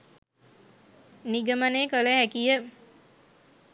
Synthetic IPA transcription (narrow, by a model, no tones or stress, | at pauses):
niɡəmaneːkələhækijə